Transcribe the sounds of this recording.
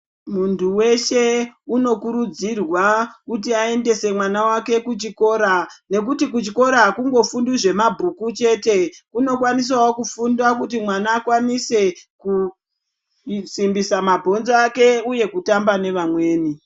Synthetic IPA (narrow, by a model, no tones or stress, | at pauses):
muntʰuwe̞ʃe̞uno̞kuɾud͡zirwakut̬iae̞nde̞se̞mwanawake̞kut͡ʃiko̞ːɾane̞k̬utik̬ut͡ʃiko̞ɾakuŋɡo̞fundiʐe̞mabʱukut͡ʃe̞te̞kuno̞kwanis̬wawokufundakutimwanaːkwanise̞ku | simbisamabʱo̞nzoake̞uje̞kutambane̞ʋamwe̞ːni